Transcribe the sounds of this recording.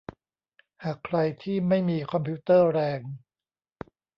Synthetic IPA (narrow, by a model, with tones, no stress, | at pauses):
haː˨˩kʰɾa˧jt̪ʰiː˥˩ma˥˩jmiː˧kʰɔ˧mpʰiː˦˥t̪ɤː˥˩ɾɛː˧ŋ